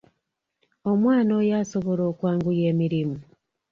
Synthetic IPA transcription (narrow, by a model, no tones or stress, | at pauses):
o̞mwaːnoːjaːsoβo̞lo̞ːkwaːŋɡuje̞ːmiɾimu